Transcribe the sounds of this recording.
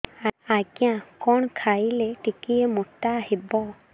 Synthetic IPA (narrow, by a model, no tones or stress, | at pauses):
aakjãkɔnkʰailɛʈikiemutːaːɦibɔ